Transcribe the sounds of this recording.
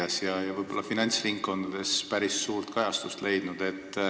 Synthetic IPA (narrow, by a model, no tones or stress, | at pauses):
ɑsjɑjɑvɤjb̥o̞lːɑfinɑnʲt̪sriŋkːo̞nd̪̥ɑd̪̥e̞spæɾisːuːrt̪kɑjɑst̪ust̪le̞jd̪̥nud̪̥e̞t̪ː